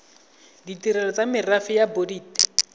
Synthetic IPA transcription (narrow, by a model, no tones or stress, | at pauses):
ditiɾɛlɔt͡samɪrafɪjabodiːt